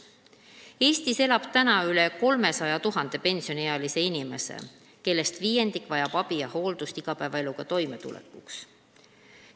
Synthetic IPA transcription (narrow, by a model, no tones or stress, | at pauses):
e̞ːst̪ise̞lɑb̥t̪ænɑyle̞ko̞lme̞sɑjɑt̪uɦɑnd̪̥e̞pe̞nsio̞neɑlise̞inʲime̞̰se̞̰ | ke̞lːe̞st̪viːje̞nd̪ikvɑjɑb̥ɑb̥ijɑho̞ːld̪ust̪iɡ̥ɑpæːvɑe̞luɡ̥ɑt̪o̞jme̞t̪ṵlḛkːˑuks